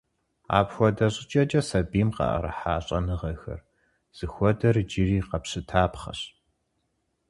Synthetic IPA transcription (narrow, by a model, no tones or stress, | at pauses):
a̰ːpxʷɔdɐɕʼɪt͡ʃʼɐd͡ʒʼɐsɐbiːmqɑ̰ʔɐ̰ɾɐ̰ħaːɕʼɐnɨʁɐxɐ̰r | z̥ɨxʷɔdɐrd͡ʒɪriːqɐpɕɨtʰaːpχɐ̰ɕ